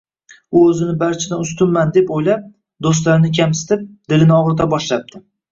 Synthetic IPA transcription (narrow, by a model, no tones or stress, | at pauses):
ʊɵzɪnɪbaɾt͡ʃʰad̪anʊst̪ʊnmand̪e̞pojlap̚ | d̪ost̪laɾnɪkʲʰamsɪ̥t̪ʰɪp̚d̪ɪlɪnɪɒʁɾt̪ʰabɒʃlap̚d̪̥ʰɪ